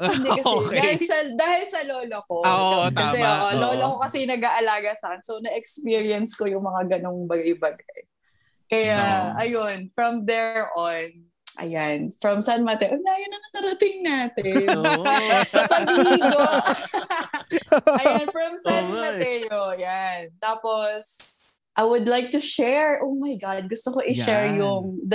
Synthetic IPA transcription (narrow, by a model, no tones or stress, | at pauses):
hɪnd̪ɛkɐsɛaːhɪllsɐd̪aːhɪlsɐloːloko̞ɐsɛʔoloːlokokɐsɛnɐɡaːʔɐlaːɡɐsakɛnsownɐʔɛkspiːɹiɐnsko̞jʊŋmɐŋaɡɐno̞ŋbɐɡɪjbɐɡaj | kɐjaɐjonfɹɐmd̪ɛɹʔon | ʔɐ̰janfɹɐmsɐnmɐt̪ɛʔonɐɐjonːɐŋnɐt̪ɐɾɐt̪ɪŋnaːt̪ɪ | sɐpɐbiɡo | ɐjanfɹɐmsanmɐt̪ɛjoʔɐjant̪aːpos | ʔajwʊd̪lajk̚t̪ʊʃɛɹʔoːmajɡɑd̪̚ɡʊst̪okoʔɪʃɛɹjʊŋd̪